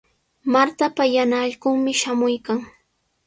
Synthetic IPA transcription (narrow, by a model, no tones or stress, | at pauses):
maɾt̪apajanaʎkʊŋmɪʃamʊjkaŋ